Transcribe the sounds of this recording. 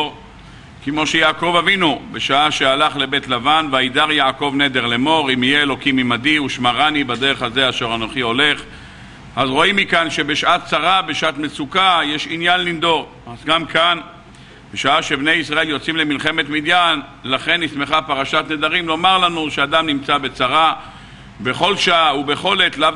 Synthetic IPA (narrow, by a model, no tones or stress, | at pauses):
ʁ | kemo̞ʃejaːko̞vavinubeʃaaʃealaχle̞be̞t̪lavanveaid̪aʁjaːko̞vne̞d̪e̞ʁle̞mo̞ʁimijeelo̞kimimad̪iuʃmaʁanibad̪eʁeχhaze̞aʃeʁanoχio̞le̞χ | azʁo̞imːikanʃe̞be̞ʃʔat̪t͡saʁabe̞ʃaʔat̪mesukajeʃinjanlimd̪o̞ʁ | azɡamkʰan | beʃaaʃe̞bne̞jisʁae̞ljo̞t͡simlemilχe̞me̞t̪mid̪jan | laχe̞nːisme̞χapaʁaʃat̪ne̞d̪aʁimlo̞maʁlanuʃead̪amnimt͡sabe̞t͡saʁa | be̞χo̞lʃaʔaube̞χo̞let̪la